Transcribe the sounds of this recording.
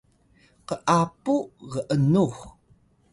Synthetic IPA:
qəʔapuʁəʔənuχ

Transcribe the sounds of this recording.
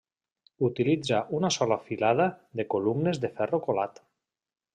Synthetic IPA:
ut̪ilid͡zaʔunasɔlafilað̞aðekolumnezðefɛrokolat̪

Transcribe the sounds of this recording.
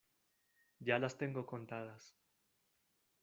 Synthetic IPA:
ɟ͡ʝalast̪e̞ŋɡoko̞nt̪að̞as

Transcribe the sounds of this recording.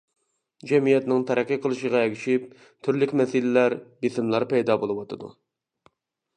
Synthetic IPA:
d͡ʒɛmijɛt̪nɪŋt̪ʰɛɾɛkʲːiqʰəlˠɨʃəʁɑeɡʲiʃip̚ | t̪ʰyɾlykʲmɛsɪlɪlæɾbesɪmlˠɑɾpɛjd̪ɑːbolˠɨwɑt̪ʰɨd̪ṵ

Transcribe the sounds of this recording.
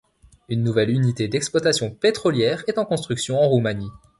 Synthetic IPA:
ynːuvɛlynit̪ed̪ɛksplwat̪asjɔ̃pet̪χɔljɛʁɛt̪ɑ̃kɔ̃st̪χyksjɔ̃ɑ̃ʁumani

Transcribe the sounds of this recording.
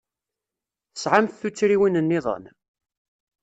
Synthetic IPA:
θə̥sʕamθθut͡sːɾiwinənːɪðˤə̰n

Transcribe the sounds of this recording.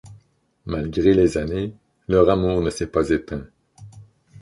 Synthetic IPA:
malɡʁelezane | lœʁamuːʁnəsɛpazet̪ʰɛ̃

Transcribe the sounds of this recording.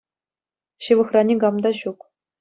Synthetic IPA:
ɕɯ̆ʋɤ̆xrɑnʲiɡɑmd̪ɑɕuk

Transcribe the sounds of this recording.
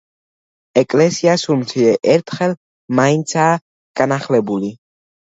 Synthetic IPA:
ɛkʼlɛsiasumt̪sʰiɛʔɛɾt̪ʰχɛl | maint̪sʰaː | ɡ̥anaχlɛbuli

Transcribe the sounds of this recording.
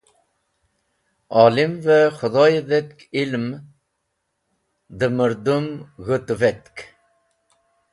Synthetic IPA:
ɑːlimvɛχʊðɑjðɛt̪̚kilm | d̪ɨmɨɾd̪umɣɨt̪vɛt̪k

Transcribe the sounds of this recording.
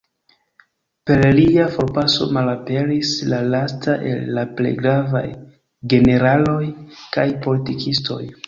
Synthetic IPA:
pe̞ɾliafo̞ɾpaso̞̰malape̞ɾislalastaʔe̞̰lːaple̞̰jɡɾava̰j | ɡe̞ne̞ɾalo̞jkajpo̞litikʰisto̞̰j

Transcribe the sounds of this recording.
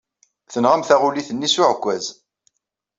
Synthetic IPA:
θənʁamθæʁuliθənːisʊʕkʷːæz

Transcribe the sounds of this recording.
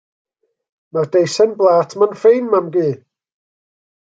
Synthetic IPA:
mardejsɛnblˠaːtʰmanfejnmamɡiː

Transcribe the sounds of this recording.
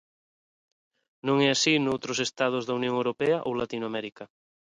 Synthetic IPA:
nõŋɛasinowt̪ɾosest̪að̞ʊzðɐunjõŋewɾopɛaʔowlat̪inwamɛɾikɐ

